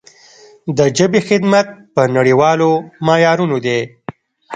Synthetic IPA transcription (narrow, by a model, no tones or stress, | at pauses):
d̪əd͡ʒabexɪd̪mat̪̚pənaɽiwɑlomɑjɑɾunod̪e